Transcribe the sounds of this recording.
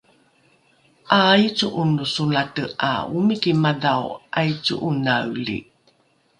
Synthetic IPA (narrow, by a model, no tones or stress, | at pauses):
ʔajt͡suʔunusunatəa̰umikimadawʔajt͡sṵʔunawlḭ